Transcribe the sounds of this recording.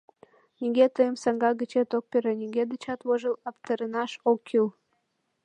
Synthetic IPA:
nʲiɡʲet̪əjəmsɑŋɡɑɡət͡ɕet̪ok̚pʲeɾenʲiɡʲed̪ət͡ɕɑt̪woʒəlɑpt̪əɾənɑʃokʰːyl

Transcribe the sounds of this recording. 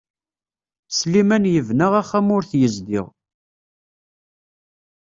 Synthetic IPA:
slimænjəvnəʁæχæmʊɾθjəzd̪ɪ̰ʁ

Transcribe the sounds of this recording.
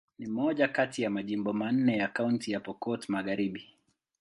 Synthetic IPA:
nimɔʄakatijamaʄimbɔman̩ːɛjakauntijapɔkɔtmaɣaɾiɓi

